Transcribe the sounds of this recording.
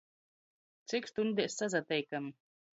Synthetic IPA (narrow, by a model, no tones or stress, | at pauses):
t̪sikst̪und̪isːazat̪ɛjkam